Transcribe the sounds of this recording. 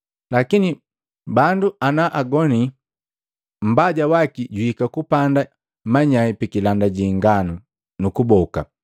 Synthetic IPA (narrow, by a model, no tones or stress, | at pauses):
lakini | banduanaʔaɡɔni | m̩baɟawakiɟuhikakupanda | maɲaipikilandaɟiŋɡanu | nukubɔka